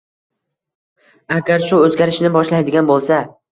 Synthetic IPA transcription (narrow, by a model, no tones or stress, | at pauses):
aɡʲaɾʃʊɵzɡʲaɾɪʃnɪbɒʃlajd̪ɪɡʲanbolˠsa